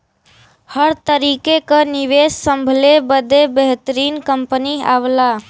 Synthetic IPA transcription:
həɾt̪əɾiːkekənɪʋeːssə̃mbʱlebəd̪ebeɦt̪əɾiːnkəmpənia̰wlaː

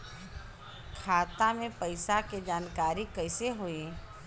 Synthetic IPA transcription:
kʰaːt̪amẽpəɪsaked͡ʒaːnkaːɾikɐɪseɦoːẽ

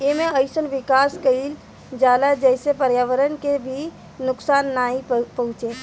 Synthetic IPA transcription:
jeːmẽəɪsənʋɪkaːskəil | d͡ʒaːlad͡ʒɛːɪsepəɾjaːʋəɾənkebʱi | nʊksaːnːaːĩpɐɦʊ̃t͡ʃeː

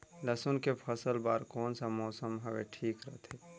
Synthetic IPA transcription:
ləsunkepʰəsəlbaːɾkoːnsamɔːsəmɦɐʋḛʈʰiːkɾəɦt̪ʰe

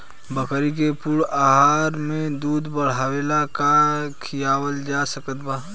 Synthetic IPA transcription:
bəkəɾik̬epuɽaːɦaːɾmẽd̪uːd̪bəɽ̤aːʋeːlakakʰijaːwəld͡ʒasəkət̪baː

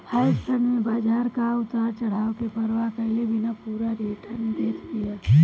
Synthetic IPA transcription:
hajssənmẽbaːd͡ʒʱaːɾkaʊt̪aːɾt͡ʃəɽ̤aːokepəɾʋakəɦlebʱinapuːɾaɾiʈʰəɾnd̪eːtʰd̪ija

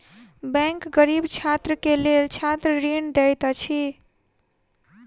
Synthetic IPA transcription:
bɛ̃ŋkɡəɾibt͡ʃʰat̪ɾəkelelt͡ʃʰat̪ɾəɾind̪ɛjt̪t͡ʃʰi

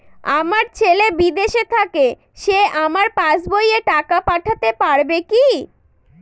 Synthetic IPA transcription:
a̰maɾt͡ɕʰelebid̪eʃet̪ʰake | ʃeʔamaɾpãd͡ʑbojeʈakapaʈʰat̪epaɾbeki

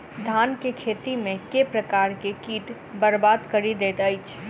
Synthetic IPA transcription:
d̪ʱaːnkekʰeːt̪imẽkepɾəkaːɾkekiːʈ | bəɾbaːd̪kɐɾid̪eːt̪əɪt͡ʃʰ

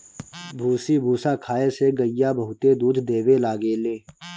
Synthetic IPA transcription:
bʱuːsibʱuːsaːkʰaːeseɡəjaːbəɦʊt̪ed̪uːd̪d̪eːʋelaːɡeːleː

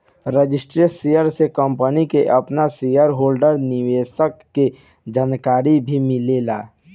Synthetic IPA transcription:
ɾəd͡ʒɪsʈɾesijəɾsekəmpənikeʔɐpnasijəɾɦoːlɖəɾnɪʋeːsəkːe | d͡ʒaːnkaːɾibʱimɪlelaː

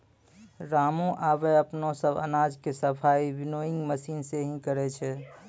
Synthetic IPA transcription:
ɾaːmõʔaːbeəpnõsəbə̰naːd͡ʒkesəpʰaːibɪnoɪ̃ŋɡməsiːnseɦĩkəɾɛt͡ʃʰɛ

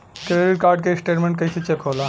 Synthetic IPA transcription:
keleɾiɾkaɾɖ̚kesʈeʈmẽɳʈkɐjsit͡ɕekɦola

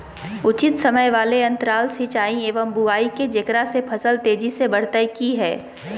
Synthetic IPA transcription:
ʊt͡ʃɪt̪sɐməjʋaːleɐ̃nt̪əɾaːlsit͡ʃaːĩeːʋəmbuaːiked͡ʒekɾasepʰɐsəlt̪eːd͡ʒisebɐɽ̤t̪əjkiɦɛː

